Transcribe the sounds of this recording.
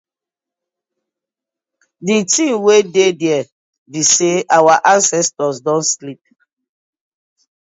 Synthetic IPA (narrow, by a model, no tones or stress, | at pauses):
ditĩmwededɛɛ | biseawaʔãnsɛstɔsdɔ̃nslip̚